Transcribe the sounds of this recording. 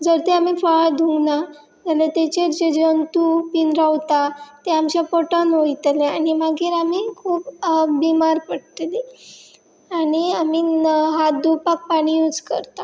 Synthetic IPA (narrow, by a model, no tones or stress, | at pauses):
d͡zəɾt̪eamiːfəɭad̪ʱuŋɡna | d͡zalet̪et͡ɕeɾd͡ʑed͡ʑənt̪upinɾawt̪at̪eamt͡ɕjapɔʈanojt̪leaɽ̃imaɡʱiːɾamiːkʰuːpbimaɾpəɽt̪le | aɽ̃iamiːɦat̪̚d̪upak̚paɽ̃ijud͡zkə̰ɾt̪a